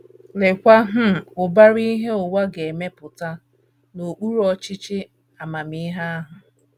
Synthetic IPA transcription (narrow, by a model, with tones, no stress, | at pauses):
le˨kʷa˦ɦ̩˦˨ʊ˨ba˦ɾi˦ɦe˦ʊ˨wa˦ɡe˨me˦pʊ˨ta˦ | no˨k͡pu˦ɾɔ˦t͡ʃɪ˦t͡ʃɪ˦ | a˨ma˨mi˦ɦa˦a˦ɦʊ˨